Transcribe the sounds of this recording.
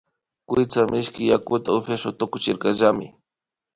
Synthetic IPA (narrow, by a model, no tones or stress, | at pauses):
kʊjt͡samʔɪʃkɪjakʊt̪aʊfjaʃwat̪ʊkʊt͡ʃɪɾkɑʒamɪ̰